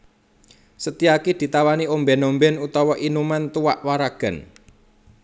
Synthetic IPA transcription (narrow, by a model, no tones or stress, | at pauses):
sət̪iakid̪̥i̤t̪awaniombɛnombɛnut̪ɔwɔʔinumant̪uwaʔwaɾaɡ̥ə̤n